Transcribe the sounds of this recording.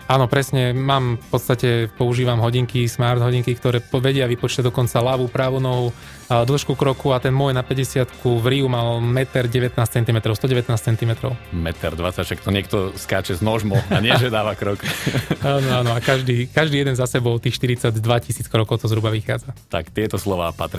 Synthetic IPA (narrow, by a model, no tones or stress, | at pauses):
aːnɔpɾɛsɲɛmaːmfpɔt̪st̪acɛfpɔuʒiːʋamɦɔɟiŋkismaɾd̪ɦɔɟiŋkikt̪ɔɾɛːʋɛɟɪaʋipɔt͡ʃt̪ad̪ɔkɔnt͡salaʋupɾaʊnɔʊ | d̪l̩ʃkukɾɔkuat̪ɛnmʊɔjnapɛɟɛsɪat̪kuʋɾiumalmɛt̪ɛɾɟɛʋɛt̪naːst̪t͡sɛnt̪imɛt̪ɾɔʊst̪ɔɟɛʋɛt̪naːst͡sɛnt̪imɛt̪ɾɔʊmɛt̪ɛ̰ɾd̪ʋat͡sacʃak̚t̪ɔɲɪɛkt̪ɔskaːt͡ʃɛznɔʒmɔaɲɪɛɛʒɛd̪aːʋakɾɔkaːnɔanɔakaʒd̪iːkaʒd̪iːjɛd̪ɛnzasɛbɔlt̪iːxʃt̪iɾit͡saɟd̪ʋacisiːt͡skɾɔkɔʊt̪ɔzɦɾubaʋixaːd͡zat̪a̰kt̪ɪɛt̪ɔslɔʋa̰ːpa̰t̪ɾi